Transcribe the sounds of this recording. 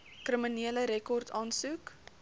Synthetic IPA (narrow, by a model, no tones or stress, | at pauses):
krəminiələɾɛkɔrtʰɑːnsuk